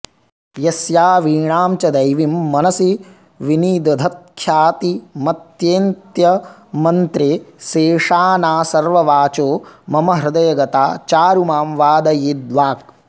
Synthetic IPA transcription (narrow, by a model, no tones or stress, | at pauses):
jɐsjaːʋiːɳaːmt͡ʃɐd̪ɐjʋimːɐnɐsi | ʋiniːd̪ɐd̪ʱɐt̪̚kʰjaːt̪imɐt̪jeːnt̪jɐmɐnt̪ɾeseːʂaːnaːsɐɾʋɐʋaːt͡ʃoːmɐmɐɦɾɪd̪ɐjɐɡɐt̪a̰ːt͡ʃaːɾumaːmʋaːd̪ɐjiːd̪ʋaːk̚